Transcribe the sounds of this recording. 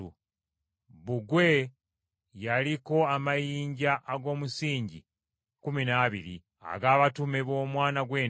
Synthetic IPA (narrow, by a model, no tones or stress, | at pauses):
ṵ | βuɡwe̞ | jaliko̞amajiːɲɟaʔːɡo̞ːmusiːɲɟḭ | kuminaβiɾḭ | a̰ɡaːβatume̞βo̞ːmwaːnaɡwe̞ː